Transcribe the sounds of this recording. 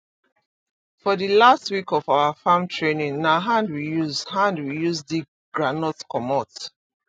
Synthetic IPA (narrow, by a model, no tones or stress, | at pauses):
fɔðilastwikɔfaʊwafãmtʰɹenĩŋnaɦãndwijuzhãndwijuzdi | ɡ̥ɹanɔtskɔmɔt